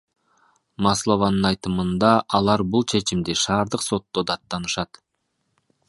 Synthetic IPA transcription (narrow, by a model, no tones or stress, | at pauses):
mɑslˠovɑnɯnɑjt̪ɯmɯnd̪ɑʔɑlˠɑɾbulˠt͡ʃʰe̞t͡ʃimd̪iʃɑːɾd̪ɯqso̞t̪ːo̞d̪ɑt̪ːɑnɯʃɑt̪